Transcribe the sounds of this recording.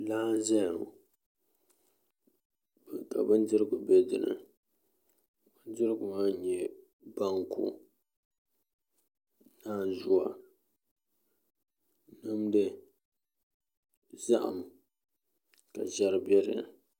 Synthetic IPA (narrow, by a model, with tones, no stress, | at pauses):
laː˦n˦zɛ˦jʊ˨ | bka˨bɨ˦ndɨ˦ɾɨ˦ɡʊ˨bɛ˦dɨ̰˨nɨ̰˨ | ba˦n˦dɪ˦ɾɨ˦ɡʊ˨maː˦ɲɛ˨ | ba˦ŋkʰṵ˦ | naː˦˨n˨zʊ˦a̰˨ | nɨ˦mdɨ˦ | za˦ʔa̰˨m | ka˨ʒɛ˦ɾɨ˦bɛ˦ɾɨ̰˨